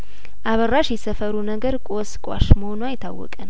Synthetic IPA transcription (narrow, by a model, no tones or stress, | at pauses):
ʔaβərːaʃjɛsəfəɾunəɡəɾkʼoskʼa̰ʃməhonuajɪt̪ʰːa̰wːɔ̰kʼən